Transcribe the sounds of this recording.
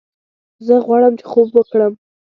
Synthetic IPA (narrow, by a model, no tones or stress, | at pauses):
zəɣwɑɽəmt͡ʃe̥xobwəkɽəm